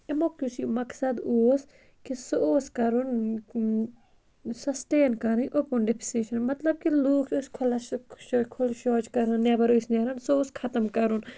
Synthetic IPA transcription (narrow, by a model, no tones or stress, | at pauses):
emokɾusimɐksɐd̪oːs | kisooːskɐɾun | sɐsʈeːnkɐɾɨnʔoːpunɖepʰi̥seʃɐnmɐt̪lɐb̚kiloːkʰuskʰʊlɐkʰʊlʃoːt͡ʃkɐɾɐnːabɐɾuːsnaɾɐnsooːskʰɐt̪ɐmkɐɾun